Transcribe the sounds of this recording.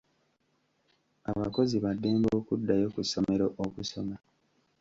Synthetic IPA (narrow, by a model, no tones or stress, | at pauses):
aβako̞ziβadːe̞ːmboːkudːajo̞kuso̞me̞ɾoʔokuso̞ma